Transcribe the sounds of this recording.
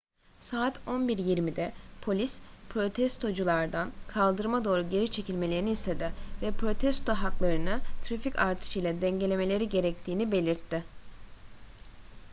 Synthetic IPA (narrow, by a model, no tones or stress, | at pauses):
saːt̪ʰo̞nbiɾjiɾmid̪ɛpʰo̞lʲispʰɾo̞t̪ʰɛst̪ʰo̞d͡ʒulˠaɾd̪ankʰalˠd̪ɯɾmad̪o̞ːɾuɟe̞ɾit͡ʃʰe̞cʰilʲmelʲe̞ɾinist̪ʰe̞d̪ɪvɛpɾo̞t̪ʰɛst̪ʰo̞ɦaklˠaɾɯnɯt̪ʰɾaficaɾt̪ʰɯ̥ʃɯjlˠad̪ɛɲɟe̞lʲe̞me̞lʲe̞ɾiɟe̞ɾɛc̚t̪ʰiːnibe̞lʲiɾt̪ʰːɪ